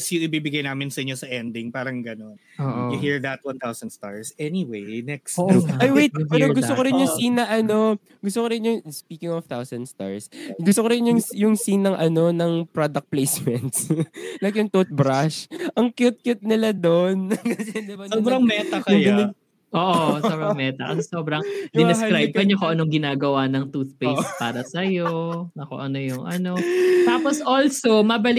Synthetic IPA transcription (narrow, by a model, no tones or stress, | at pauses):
sjʊʔɪbibɪɡajnaːmɪnsɐʔɪɲosɐʔɛnd̪ɪŋpaːɾɐŋɡɐnon | oʔjʊɦiɹðɐt̪̚wɐ̃nt̪awsɐ̃nd̪st̪a̰ɹsɛniwejnɛkstːʔajwejt̪̚pɛːɾoɡʊst̪okoɾɪnjʊŋsiːnːɐʔɐno̞ | ɡʊst̪okoɾɪnjʊŋspiːkɪŋɔft̪awsɐnd̪st̪a̰ɹsɡʊst̪okoɾɪnjʊŋjʊŋsinːɐŋʔɐno̞nɐŋpɹod̪ɐk̚t̪̚plejsmɛnt̪slajkjʊŋt̪ot̪̚bɾaʃʔɐŋkjʊt̪̚kjʊt̪̚nɪlad̪onkɐsɛd̪ɪbɐsobɾɐŋmɛt̪ɐkɐjɐn | ʔoːʔosobɾɐŋmɛːt̪ɐkɐsɛsoːbɾɐŋd̪ɪnkɾajb̚kɐɲokoʔɐnoŋɡɪnaːɡɐwanɐŋt̪uθpejs̚paːɾɐsɐjonɐkoʔɐnojʊŋʔɐnot̪aːposʔolsomɐbɐl